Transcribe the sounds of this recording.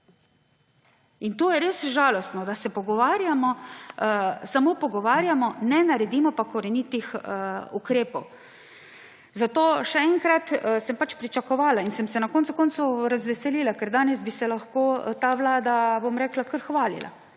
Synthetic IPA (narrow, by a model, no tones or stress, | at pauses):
int̪oːjɛɾesʒaːlɔst̪nɔd̪asɛpɔɡɔʋaːɾjamɔ | samoːpɔɡɔʋaːɾjamɔnɛnaɾɛd̪iːmɔpakɔɾɛnit̪ixukɾeːpɔw | zat̪oːʃɛɛŋkɾat̪sɛmpat͡ʃpɾit͡ʃakɔʋaːlainsɛmsɛnakɔnsukɔntsuɾazʋɛsɛliːlakɛɾd̪aːnɛzbisɛlaxkoːt̪aːʋlaːd̪abomɾɛːklakəɾxʋaːlḭla̰